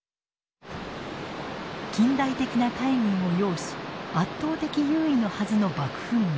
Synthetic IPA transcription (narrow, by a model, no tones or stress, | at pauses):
kʲĩnd̪ait̪e̞kʲinat̪aiɲ̟ʲĩɰ̃o̞jo̞ːɕi̥at̪ːo̞ːt̪e̞kʲijɯːino̞hazɨno̞bakɯ̟̥ɸɯ̟̃ŋ